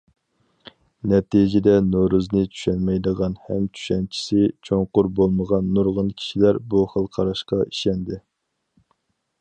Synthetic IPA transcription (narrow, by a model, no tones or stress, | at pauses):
nɛt̪ijd͡ʒɪd̪ɛnoɾuznɨt͡ʃʰy̥ʃɛnmɛjd̪əʁɑnhɛmt͡ʃʰy̥ʃɛnt͡ʃʰi̥sɪt͡ʃʰoŋqʊɾbolˠməʁɑnːuɾʁʊnkʲʰi̥ʃilæɾbuχəlˠqʰɑɾɑʃqɑiʃɛnd̪ɪ